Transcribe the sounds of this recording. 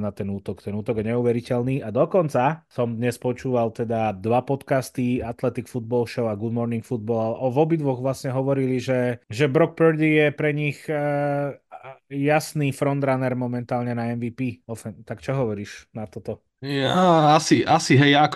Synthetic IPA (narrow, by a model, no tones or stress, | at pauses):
nat̪ɛnuːt̪ɔkt̪ɛnuːt̪ɔɡjɛɲɛuːʋɛɾicɛlniːad̪ɔkɔnt͡sasɔmd̪ɲɛspɔt͡ʃuːʋalt̪ɛd̪ad̪ʋapɔt̪kast̪iat̪lɛt̪ikfud̪̚bɔlʃɔʊaɡud̪mɔɾniŋkfud̪̚bɔlaɛʔɔʋɔbid̪ʋɔɣʋlasɲɛɦɔʋɔɾiliʒɛʒɛbɾɔk̚pəɾd̪ijɛpɾɛɲix | jasnifɾɔnd̪ɾanɛɾmɔmɛnt̪aːlɲɛnaɛnʋiːpiːɔfɛnt̪akt͡ʃɔɦɔʋɔɾiːʃnat̪ɔt̪ɔ | jaasiʔasiɦɛjjaak